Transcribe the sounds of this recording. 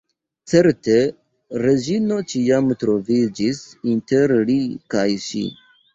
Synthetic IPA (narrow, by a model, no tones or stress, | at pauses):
t͡se̞ɾte̞ | ɾe̞d͡ʒino̞t͡ʃiamtɾo̞vid͡ʒisinte̞ɾlikajʃḭ